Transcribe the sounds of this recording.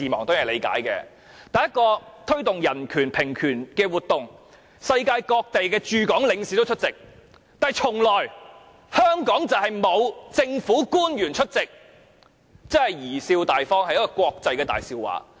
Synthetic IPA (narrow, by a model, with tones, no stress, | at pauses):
iː˨˩mɔː˨˩ŋt̪o˥wjɐ˨˩le˨˧jka̰ː˨˥jkɛ̰ː˧ | t̪ɐ˨˧jɐ˥t̚kɔː˧t̪ʰɵ˥ɥt̪ʊ˨ŋjɐ˨˩nkʰyː˨˩npʰɪ˨˩ŋkʰyː˨˩nkɛː˧wuː˨t̚t̪ʊ˨ŋ | sɐ˧jkaː˧jkɔː˧k̚t̪e˨jkɛː˧t͡ʃyː˨˧kɔː˨˥ŋlɪ˨˧ŋsiː˨˥t̪o˥wt͡ʃʰɵ˥t̚t͡sɪ˨k̚ | t̪aː˨˧jt͡sʰʊ˨˩ŋlɔː˨˩j | hœː˥ŋkɔː˨˥ŋt͡sɐ˨wɦɐ˨jmo˨˧wt͡sɪ˧ŋfuː˨˥kuː˥njyː˨˩nt͡ʃʰɵ˥t̚t͡sɪ˨k̚ | t͡sɐ˥hɐ˨jjiː˨˩siː˧wt̪aː˨jfɔː˥ŋhɐ˨jɐ˥kːɔː˧kʷɔː˧k̚t͡sɐ˧jkɛː˧t̪a̰ː˨jsiː˧wwa̰ː˨˥